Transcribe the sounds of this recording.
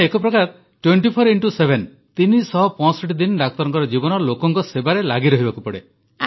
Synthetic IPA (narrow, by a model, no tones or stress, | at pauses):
ekɔpɾɔkaɾ | ʈweɳʈipʰɔɾiɳʈusebʱen | t̪inisɔɦɔpɔ̃sɔʈid̪inɖak̚t̪ɔɾɔŋkɔɾɔd͡ʒibɔnɔlokɔŋkɔsebaɾelaɡiɾɔɦibakupɔɽe